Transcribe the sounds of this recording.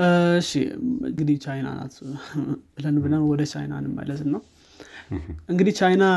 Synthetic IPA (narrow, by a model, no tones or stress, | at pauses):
ɨʃḭɨ̰ŋɡɨd̪it͡ʃajna̰na̰t̪ | lənɨbɨlanwɔd̪ət͡ʃʰa̰jna̰nɨmːa̰jlət̪ɨnːaw | ʔɨŋɡɨd̪it͡ʃajna